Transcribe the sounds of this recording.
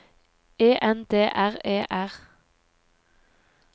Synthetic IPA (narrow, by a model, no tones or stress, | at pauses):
eːʔɛnd̪eːʔæʁeːʔæʁ